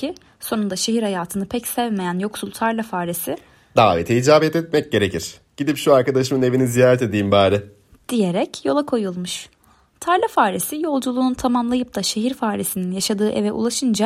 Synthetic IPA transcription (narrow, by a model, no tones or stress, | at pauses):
i | so̞nund̪aʃe̞ɦiɾhajaːt̪ʰɯnɯpʰɛcsɛvme̞jænjo̞ksulˠt̪ʰaɾlʲˠafaːɾisɪ | d̪aːvet̪ʰɛid͡ʒaːbɛt̪ɛt̪mɛc̚ɟe̞ɾe̞cʰiɾ̥ | ɟ̥id̪ipʃuaɾkad̪aʃɯmɯne̞vinizijaːɾɛt̪e̞d̪ijimbaːɾɪ | d̪̥ije̞ɾɛcjo̞lˠakʰo̞julˠmuʃ | t̪ʰaɾlʲˠafaːɾisijo̞lˠd͡ʒulˠuːnut̪ʰamamlˠajɯp̚d̪aʃe̞ɦiɾfaːɾisininjaʃad̪ɯːʔḛvɛʔṵlˠaʃɯnd͡ʒa